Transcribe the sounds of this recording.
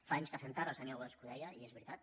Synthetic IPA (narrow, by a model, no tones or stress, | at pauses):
faaɲskəfent̪aɾasanawəskuðɛjaiezβɾit̪at̪̚